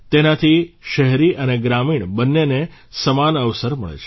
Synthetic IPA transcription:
t̪enat̪ʰiʃəɦɾiʔəneɡɾamiɳbənːene | səmanəʋsəɾməɭḛt͡ʃʰ

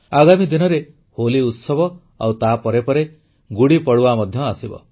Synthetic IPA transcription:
aɡamid̪inɔɾe | holiut̪sɔbɔ | a̰wt̪apɔɾepɔɾe | ɡuɽipɔɽuamɔd̪ʱjɔasibɔ̰

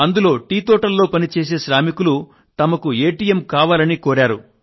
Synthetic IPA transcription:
ɐnd̪ulo̞ːʈiːt̪ɔːʈɐlːo̞ːpɐnit͡ʃeːs̬e̞ːʃɾaːmikulu | t̪ɐmɐkueːʈiːjemkaːʋaːlɐnikoːɾaːɾu

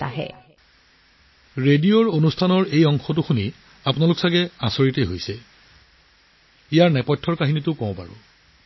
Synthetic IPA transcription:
ta̰ɦɛ̰ | ɹedioɹonustʰanɔɹejɔŋxɔt̬uxuni | apʊnalʊksaɡɛasoɹitejɦojsɛ | ijaɹnɛpɔjtʰːɔɹkaɦinitʊkɔ̃pa̰ɹʊ̰

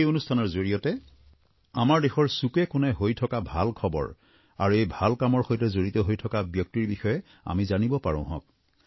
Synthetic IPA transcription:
ejonustʰanɔɹzoɹijɔtɛ | amaɹdexɔɹsukɛkʊnɛɦojtʰɔkabʱalkʰɔbɔ̰ɹ | a̰ɹuejbʱalkamɔɹxojtɛzoɹitɔɦojtʰɔkabjɔk̚tiɹbixɔjɛ | a̰mizanibɔpaɹɔ̰̃ɦɔ̰̃k̚

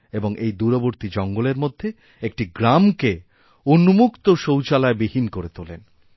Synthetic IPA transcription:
eboŋʔejd̪uɾoboɾt̪id͡ʑɔŋɡoleɾmod̪ʱːe | ek̚ʈiɡɾamke | unːumukt̪oʃowt͡ɕalaebihinkoɾet̪olḛn

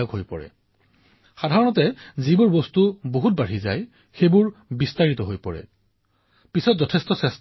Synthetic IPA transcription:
ɔɡɦojpɔɹɛ̰ | xadʱaɹɔnɔtɛzibʊɹbɔstuboɦut̚baɹiza̰j | xebʊɹbistaɹitɔɦojpɔɹɛ̰ | pisɔtzɔtʰestɔsɛs

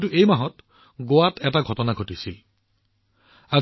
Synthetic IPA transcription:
tuʔejmaɦɔt | ɡowatɛtaɡʱɔtɔnaɡʱotisi | a

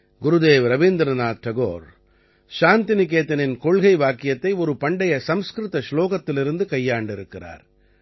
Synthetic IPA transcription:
ɡʊɾɯd̪eːʋɾɐʋiːnd̪ɾɐnaːt̚ʈ̪ɐɣoːɾ | ʃaːnt̪ɪnɪkːeːt̪ːɐnɪnkɔɻɣɐɪʋaːkːɪjɐt̪ːɐɪɔɾɯpɐɳɖɐjɐsɐmskɾɯt̪ɐsloːɣɐt̪ːɪlɪɾɯnd̪ɯkɐjːaːɳɖɪɾɯkːɪra̰ːɾ

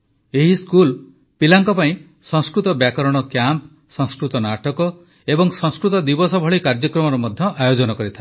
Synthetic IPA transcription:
eɦiskul | pilaŋkɔpaĩ | sɔ̃ŋskɾut̪ɔbjakɔɾɔɽ̃ɔkjamp | sɔ̃ŋskɾut̪ɔnaʈɔkɔ | ebɔŋsɔ̃ŋskɾut̪ɔd̪ibɔsɔbʱɔɭikaɾd͡ʒɔkɾɔmɔɾɔmɔd̪ʱjɔʔajod͡ʒɔnɔkɔɾit̪ʰae

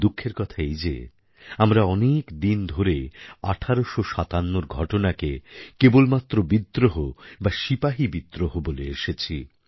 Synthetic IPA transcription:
d̪ukʰːeɾkɔt̪ʰaejd͡ʑḛ | amɾaɔnekd̪ind̪ʱoɾea̰ʈʰaɾoʃoʃat̪anːoɾɡʱɔʈonakekebolmat̪ːɾobid̪ːɾoɦobaʃipaɦibid̪ɾoɦoboleeʃet͡ɕʰi

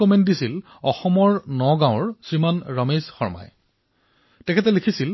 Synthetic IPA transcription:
ɔmɛnt̚disil | ɔxɔmɔɹnɔɡãʊ̃ɹsɹimanɹamezxɔɹma̰j | tɛkʰɛtɛlikʰisil

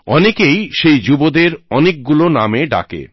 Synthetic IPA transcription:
ɔnekejʃejd͡ʑubod̪eɾɔnek̚ɡulonameɖa̰kḛ

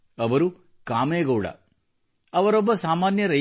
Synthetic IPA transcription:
ɐʋɐɾu | kaːmeːɡɐwɽɐ̰ | ɐʋɐɾobːɐsaːmaːnjɐɾɐ

